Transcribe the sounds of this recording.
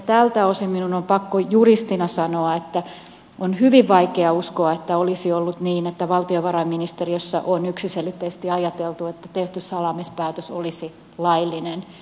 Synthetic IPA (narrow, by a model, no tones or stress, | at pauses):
t̪ælt̪æosiminunompɑkːojurist̪inɑsɑnoɑet̪ːæ | onhyʋiʋʋɑikeɑuskoɑet̪ːæolisiolːut̪niːnet̪ːæʋɑlt̪ioʋɑrɑimːinist̪eriøsːɑ̰ʔonyksiselit̪ːeise̥st̪iɑjɑt̪elt̪uet̪ːæt̪eht̪yssɑlɑmispæːt̪øsolisi | lɑilːinen